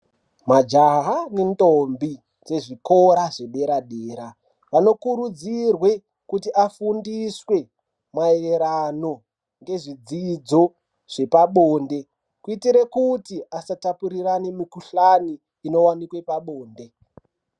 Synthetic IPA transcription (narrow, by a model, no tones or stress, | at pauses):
mad͡ʒaɦanendombi | d͡ze̞ʐikoɾaʐe̞ɓe̞ɾaɗeːɾa | ʋano̞kuɾud͡zirwe̞ | kutiʔafundiswe̞ | maeeɾano̞ | ŋɡe̞ʐid͡zid͡zo̞ | ʐ̥e̞paɓoːnde̞ | kuitiɾekutiʔasatapuɾiranimikuɬaniː | no̞wanikwe̞paɓoːnde